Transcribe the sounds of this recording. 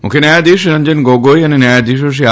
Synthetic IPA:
mṵkʰenajad̪iʃɾɐnd͡ʑenɡoɡojanenajad̪iʃ̬oʃ̬ia

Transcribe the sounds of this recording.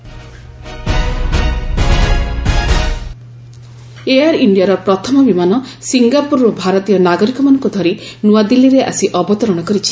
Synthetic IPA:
eaɾiɳɖijaɾɔpɾɔt̪ʰɔmɔbimanɔ | siŋɡapuɾɔbʱaɾɔt̪ijɔnaɡɔɾikɔmanɔ̃ŋkud̪ʱɔɾinuad̪ilːiɾeʔa̰siʔɔbɔt̪ɔɾɔɽ̃ɔkɔɾit͡ʃʰi̥

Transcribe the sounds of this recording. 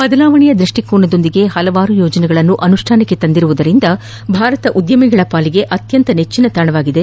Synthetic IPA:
bɐd̪ɐlaːʋɐɳijɐd̪ɾuʂʈikuːɳɐd̪o̞nd̪iɡe̞hɐlɐʋaːɾujoːd͡ʒɐnɛɡɐɭɐnːuʔɐnuʂʈʰaːnɐkːe̞t̪ɐnd̪iɾuʋud̪ɐɾind̪ɐ | bʱaːɾɐt̪ɐʔud̪jɐmiɡɐɭɐpaːliɡe̞ʔɐt̪jɐnt̪ɐnet͡ʃːinɐt̪aːɳɐʋaːɡid̪e

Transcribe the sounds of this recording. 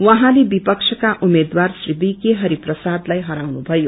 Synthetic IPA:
wʌ̃ɦãlebipʌksʰʌkaʔumed̪warsribikeɦʌɾiprʌsad̪lajɦʌɾawnubʱʌjo

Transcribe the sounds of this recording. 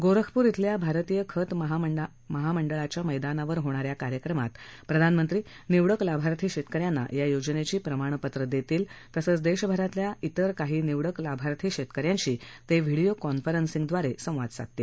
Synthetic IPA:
ɡoɾəkʰpuːɾit̪ʰljabʱaɾt̪ijəkʰət̪məɦaə | məɦaməɳɖəɭat͡ɕjaməjd̪anaʋəɾɦoɽ̃aɾjakaɾjəkɾəma̰t̪pɾəd̪ʱanmənt̪ɾiː | niʋɽəklabʱaɾt̪ʰiːɕet̪kəɾjanːa̰jajod͡ʑnet͡ɕiːpɾəmaɽ̃pət̪ɾəd̪et̪iːlt̪əsəːt͡sd̪eɕbʱəɾat̪ljait̪əɾkaɦiːniʋɽəklabʱaɾt̪ʰiːɕet̪kəɾjãɲt͡ɕiːt̪eʋʱiɽijokɔnfəɾənsĩŋɡd̪ʋaɾesə̃w̃ʋad̪sa̰k̚t̪e

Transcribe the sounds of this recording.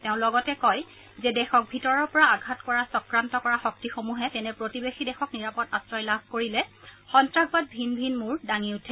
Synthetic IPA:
tɛʊ̃lɔɡɔtɛkɔj | zɛdɛxɔk̚bʱitɔɹɔɹpɔɹaaɡʱatkɔɹasɔkɹantɔkɔɹaxɔk̚tixomuɦɛtɛnɛpɹotibexidɛxɔkniɹapɔtastɹɔjlabʱkoɹilɛxɔntɹaɡbat̚bʱinbʱinmuɹdaŋiutʰɛ

